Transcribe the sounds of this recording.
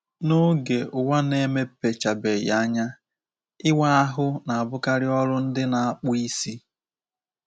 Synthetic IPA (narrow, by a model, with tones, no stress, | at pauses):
no˦ɡe˨ʊ˨wa˦ne˦me˦pe˨t͡ʃa˨be˨ja˦ɲa˦ | ɪ˦wa˦a˦ɦʊ˦na˨a˨bʊ˦ka˦ɾɪ˦ɔ˦ɾʊ˦n̩˦dɪ˦na˨a˦k͡pʊ˦i˦si˦